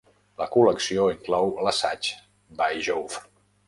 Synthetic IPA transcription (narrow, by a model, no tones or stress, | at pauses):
ləkuləksioiŋklɔwləsat͡ʃ | bajʒowf